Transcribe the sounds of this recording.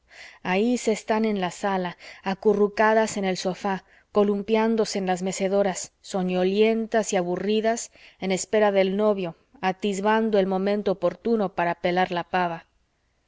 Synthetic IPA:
aise̞st̪ane̞nlasalaːkurukaðase̞ne̞lso̞fa | ko̞lumpjand̪o̞se̞ːnlazme̞se̞ðo̞ɾasːo̞ɲo̞lje̞nt̪asiaβuriðase̞ne̞spe̞ɾaðe̞lno̞βjo̞ | at̪izβand̪o̞elmõ̞mẽnt̪o̞ːpo̞ɾt̪uno̞paɾape̞laɾlapaβa

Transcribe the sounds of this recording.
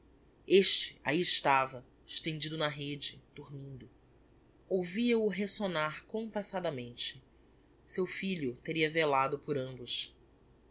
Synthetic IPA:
eʃt͡ʃɪ̥a̰iɪʃt̪avɐ | ɪʃt̪ẽnd͡ʒid̪ʊnɐɦed͡ʒɪd̪̥uɾmĩnd̪ʊ | owviɐʊɦesonaχkõpasad̪ɐmẽnt͡ʃɪ̥ | sewfiʎʊt̪eɾiɐvelad̪ʊpʊɾɐ̃mbʊʃ

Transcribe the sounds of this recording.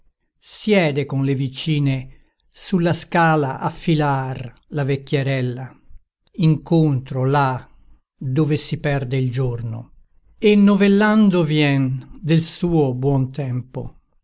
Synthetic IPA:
sjɛːd̪ekonlevit͡ʃiːne | sulːaskaːlaʔafːilar | lavekːjeɾɛlːa | iŋkont̪ɾola | d̪oːvesipɛrd̪eild͡ʒorno̰ | enːovelːand̪ovjɛnd̪elsuːobwɔnt̪ɛmpo̰

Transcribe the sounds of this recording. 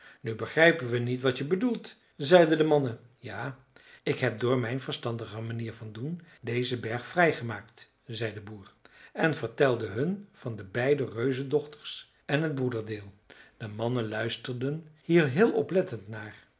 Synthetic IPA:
nybəχrɛjpənʋənitʋɑtəbədulˠt | zɛjdədəmɑnə | jaː | ɪkɦɛp̚dʊːɹmɛjnvəɹstɑndəχəmaniːɹvɑndundejzəbɛɹχfrɛjχəmaːkt | zɛjdəbuːɹɛnvəɹtɛlˠdəɦɵnv̥ɑndəbɛjdərøɥzədɔχtə̥ɹs | ɛnɦəd̚brudəɹdɪːlˠ | d̥əmɑnənlœɥstəɹdənhiːɹɦɪːlˠɔ̰plɛtəntnaːɹ

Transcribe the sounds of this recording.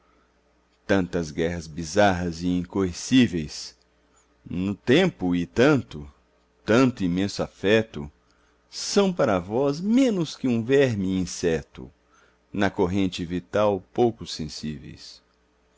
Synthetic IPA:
t̪ɐ̃nt̪ɐzɡɛɦɐzbizaɦɐzɪĩŋkoesivejs | nʊt̪ẽmpʊɪt̪ɐ̃nt̪ʊ | t̪ɐ̃nt̪ʊimẽsʊafɛt̪ʊ̰ | sɐ̃w̃paɾɐvɔzmẽnʊskɪũvɛɾmɪĩsɛt̪ʊ̰ | nɐkoɦẽnt͡ʃɪvit̪awpowkʊsẽsivḛjs

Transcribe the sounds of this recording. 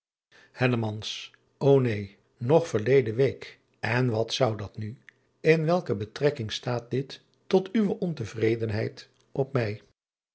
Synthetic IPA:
hɛləmɑns | ownej | nɔχfəɹlejdəʋejk | ɛnʋɑtsʌwdɑtny | ɪnʋɛlˠkəbətrɛkɪŋstaːt̚dɪtː | ɔtyʋəʔɔntəvrejdənɦɛjt | ʔɔp̚mɛj

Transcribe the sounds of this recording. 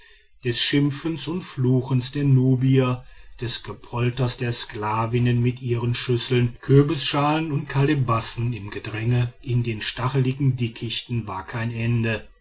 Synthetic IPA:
d̥ɛsʃɪmfənsʊntfluːxən̩sd̥eːɐnuːbiɐd̥ɛsɡ̥əpʰɔltɐsd̥eːɐsklaːvɪnənmɪtʔiːʁənʃʏsl̩nkʰøːbəsʃaːlənʊnt̚kʰalebasn̩ɪmɡədʁɛŋəʔɪndeːnʃtaχəlɪɡŋ̩dɪkʰɪçtn̩vaːɐkʰaɪnʔɛndə

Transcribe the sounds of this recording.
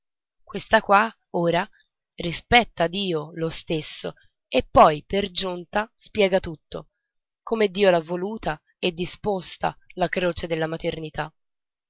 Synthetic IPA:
kwest̪akwa | oːɾa | rispɛt̪ːad̪iːolost̪esːo̰ | epːɔjperd͡ʒunt̪aspjɛːɡat̪ut̪ːo̰ | komed̪ːiːolavːoluːt̪a | ed̪ːispost̪a̰lakɾoːt͡ʃed̪elːamat̪ernit̪a

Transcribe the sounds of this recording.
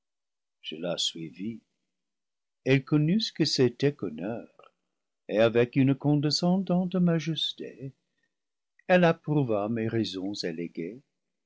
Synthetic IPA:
ʒ̥əlaswivi | ɛlkɔnysə̥kəsetɛkɔnœʁ | eavɛkynəkɔ̃desɑ̃dɑ̃tmaʒɛstḛ | ɛlapʁuvameʁɛzɔ̃zeleɡe

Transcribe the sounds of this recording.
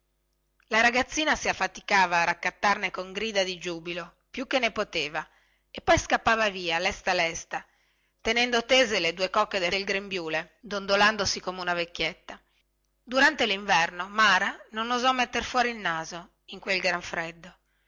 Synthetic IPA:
laɾaɡat̪sːiːnasiafːat̪i̥kaːvaːrakːat̪ːarnekoŋɡɾiːd̪ad̪id͡ʒuːbilo | pjuk̟ːenːepot̪eːva | epːɔjskapːaːvaviːalɛst̪alɛst̪a | t̪enɛnd̪ot̪eːzeled̪uːekɔkːed̪eelɡɾembjuːle | d̪ond̪oland̪osikomeunavekːjet̪ːa | d̪uɾant̪eliɱvɛrnomaːɾanonozɔmet̪ːerfwɔːɾiːlnaːzo | iŋkwelɡɾaɱfɾed̪ːo

